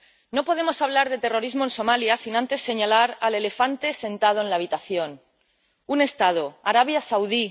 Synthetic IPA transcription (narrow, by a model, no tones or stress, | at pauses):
no̞po̞ð̞e̞mosaβ̞laɾð̞e̞t̪e̞ro̞ɾizmo̞e̞nso̞maljasinãnt̪e̞sːe̞ɲalaɾale̞le̞fant̪e̞se̞nt̪að̞o̞e̞nlaːβ̞it̪aθjo̞n | une̞st̪að̞oaɾaβ̞jasawði